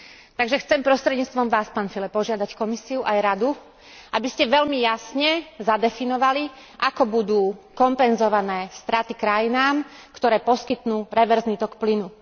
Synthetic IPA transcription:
t̪aɡʒɛxt͡sɛmpɾɔst̪ɾɛd̪ɲiːt͡st̪ʋɔmʋaːspaːnfilɛppɔʒɪad̪ackɔmisiuʔajɾad̪u | ʔabiscɛʋɛʎmijasɲɛzad̪ɛfinɔʋali | ʔakɔbud̪uːkɔmpɛnzɔʋanɛːst̪ɾat̪ikɾajinaːmkt̪ɔɾɛːpɔskit̪nuːɾɛʋɛɾzniːt̪ɔkplinu

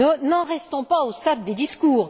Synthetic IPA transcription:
ənɑ̃ʁɛst̪ɔ̃paost̪ad̪ːed̪iskuːʁ

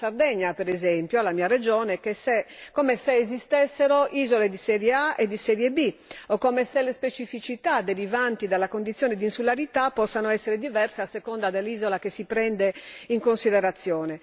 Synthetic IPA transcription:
sard̪ɛɲːapeɾɛzɛmpjoalamiːared͡ʒɔːnekesekːomeseːzist̪ɛsːeɾoʔiːzoled̪isɛːɾjeaʔed̪isɛːɾjebiokːomeselespet͡ʃifit͡ʃit̪ad̪eɾivant̪id̪alːakond̪it̪sːjɔːned̪insulaɾit̪apːɔsːanoɛsːeɾed̪ivɛrseasːekɔnd̪ad̪elːiːzolakesipɾɛnd̪eiŋkonsiðeɾat̪sːjɔːne

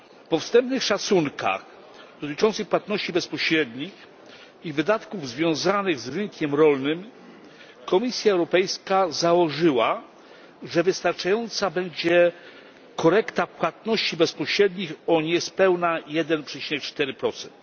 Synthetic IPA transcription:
fpɔfst̪ɛmpnɘxʂat̪suŋka̰x | d̪ɔt̪ɘ̆t͡ʂɔnt̪sɘxpwat̪nɔɕt͡ɕibɛspɔɕɾɛd̪ɲix | ivɘd̪at̪kuvzvʲjɔ̃w̃zanɘɣzɾɘŋkʲɛmɾɔlnɘm | kɔmʲisʲjaɛwɾɔpɛjskazawɔʐɘwa | ʐɛvɘst̪aɾt͡ʂajɔnt̪sabɛɲd͡ʑɛ | kɔɾɛkt̪apwat̪nɔɕt͡ɕibɛspɔɕɾɛd̪ɲixɔɲɛspɛwnajɛd̪ɛnpʂɛt͡ɕinɛk̚t͡ʂt̪ɛɾɘpɾɔt̪sɛnt̪

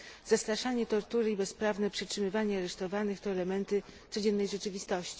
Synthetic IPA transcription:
z̥ast̪ɾaʂaɲɛt̪ɔɾt̪uɾɘibɛspɾavnɛpʂɛtʂɘmɘvaɲɛaɾɛʂt̪ɔvanɘxt̪ɔɛlɛmɛnt̪ɘt̪sɔd͡ʑɛnːɛjʐɛt͡ʂɘvʲist̪ɔɕt͡ɕi̥

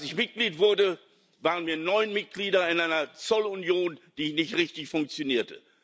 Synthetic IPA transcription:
ʔalsɪçmɪt̚ɡ̥liːtv̥ʊɐdə | vaːʁ̞ənmiːɐnɔʏnmɪt̚ɡ̥liːdɐɪnʔaɪnɐt͡sɔlʊnjoːnd̥iːnɪçtʁɪçtɪçfʊŋk̚t͡sjoniːɐtə

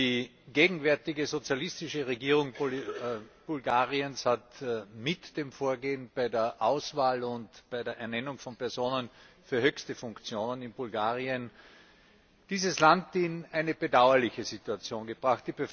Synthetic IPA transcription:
iːɡ̥eːɡŋ̩vɛɐtɪɡəzot͡sjalɪstɪʃəʁeɡiːʁ̞ʊŋ | b̥ulɡaːʁiənshatmɪtd̥eːmfoːɐɡeːənb̥aɪdeːɐʔaʊsv̥aːlʊntb̥aɪdeːɐʔɛɐnɛnʊŋfɔnpɛɐzoːnənfyːɐɦøçstəfʊŋkt͡sjoːnənɪnbʊlɡaːʁiən | d̥iːzəslantinæɪnəb̥ədaʊɐlɪçəzituat͡sjoːnɡəb̥ʁaχt̚d̥iːbə

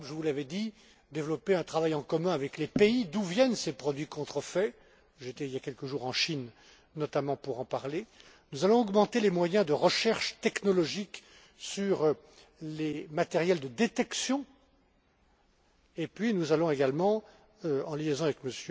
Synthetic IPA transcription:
ʒəvulavɛd̪i | d̪evlɔpeɛ̃t̪χavajɑ̃kɔmɛ̃avɛklepeid̪uvjɛnsepχɔd̪ɥikɔ̃t̪χəfɛ | ʒet̪ɛiljakʲɛlkəʒuʁɑ̃ʃinː | ɔt̪amɑ̃puʁɑ̃paʁle | nuzalɔ̃ɔɡmɑ̃t̪elemwajɛ̃d̪əʁəʃɛʁʃt̪ɛknɔlɔʒik | syʁ | lemat̪ɛʁjɛld̪əd̪et̪ɛksjɔ̃ | epɥinuzalɔ̃eɡalmɑ̃ | øɑ̃liezɔ̃avɛkməsjø

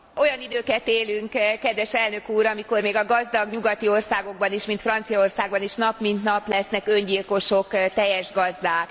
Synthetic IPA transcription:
o̞jɒnid̪øːkɛt̪eːlyŋkkɛd̪ʋɛʃɛlnø̞kuːɾɒmiko̞rmeːɡɒɡɒzd̪ɒɡɲuɡɒt̪io̞rsaːɡo̞ɡ̚bɒniʃmint̪frɒnt̪sijɒo̞rsaːɡ̚bɒniʃnɒpmint̪nɒplɛsnɛkø̞ɲɟilko̞ʃokt̪ɛjɛʒɡɒzd̪aːk

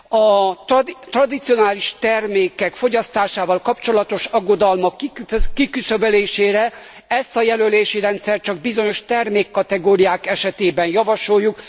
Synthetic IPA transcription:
ɒ | t̪rɒd̪it̪sijo̞naːliʃt̪ɛrmeːkɛkfo̞ɟɒst̪aːʃaːvɒlkɒpt͡ʃo̞lɒt̪o̞ʃɒɡːo̞d̪ɒlmɒkːkikysøbøleːʃeːɾɛ | ɛst̪ɒjɛløleːʃiɾɛnt̪sɛrt̪̚t͡ʃɒɡ̚bizo̞ɲo̞ʃt̪ɛrmeːkːɒt̪ɛɡoːɾijaːkɛʃɛt̪eːbɛnjɒvɒʃo̞jːuk

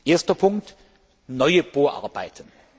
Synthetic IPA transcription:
ʔeːɐstɐpʰʊŋkt | nɔʏəb̥oːɐʔa̰ɐbaɪtʰən

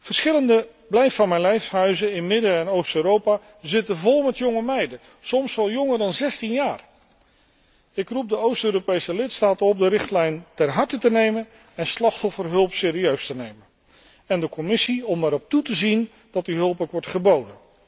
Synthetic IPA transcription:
v̥əɹsχɪləndə | blɛjfɑnmɛjnlɛjfsɦœɥzəɪnmɪdəɛnowstøːɾowpaː | zɪtəvɔlˠmɛtjɔŋəmɛjdə | sɔmsʋɛlˠjɔŋəɹdɑnzɛstinjaːr | ɪkrup̚dəowstøːɾopejsəlɪtstaːtəɔp̚dəɾɪχtlɛjntɛrɦɑɹtətənejmən | ɛnslɑχtɦɔfərɦɵlˠpsɪːɾiøɥstənejmən | ɛndəkɔmɪsiɔmaɾɔp̚tutəzin | dɑtdiɦɵlˠpowkʋɔɹtχəbowdən

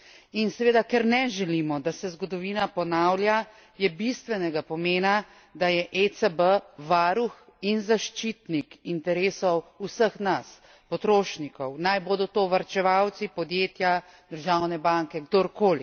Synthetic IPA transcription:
insɛʋeːd̪akɛɾnɛʒɛlimɔd̪asɛzɡɔd̪ɔʋiːnapɔnawlja | jɛbist̪ʋɛnɛɡapɔmeːna | d̪ajɛʔet̪səbəʋaːɾux | inzaʃt͡ʃit̪nikint̪ɛɾeːsɔwusəxnas | pɔt̪ɾoːʃnikɔwnajboːd̪ɔt̪oːʋaɾt͡ʃɛʋawt̪sipɔd̪jeːt̪ja | d̪əɾʒawnɛbaŋkɛɡd̪oɾkoːli

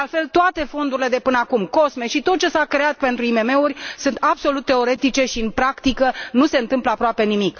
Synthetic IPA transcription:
alfe̞lt̪oat̪e̞fo̞nd̪uɾile̞d̪e̞pɨnəakumko̞smeʃit̪ot̪̚t͡ʃe̞sakɾe̞at̪̚pe̞nt̪ɾuime̞me̞urʲsɨnt̪abso̞lut̪ːe̞o̞ɾe̞t̪it͡ʃe̞ʃiɨnpɾakt̪ikənuse̞ɨnt̪ɨmpləapɾoape̞nimik

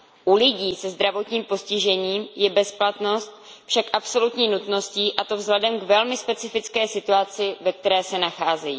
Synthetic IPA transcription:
ʔulɪɟiːsɛzd̪ɾavo̞t̪ɲiːmpo̞scɪʒɛɲiːmjɛbɛsplat̪no̞st̪̚ | fʃakʔapso̞lut̪ɲiːnut̪no̞sciːʔat̪o̞vzlɛdɛmɡvɛlmɪspɛt͡sɪfɪt͡skɛːsɪt̪uat͡sɪvɛk̚t̪ɛɾɛːsɛnaxaːzɛjiː

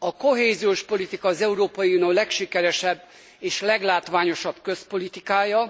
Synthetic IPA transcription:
ɒko̞ɦeːzioːʃpo̞lit̪ikɒːzɛuɾoːpɒjiunioːlɛkʃikɛɾɛʃɛbː | eːʃlɛɡlaːt̪ʋaːɲo̞ʃɒb̥kø̞spo̞lit̪ikaːjɒ

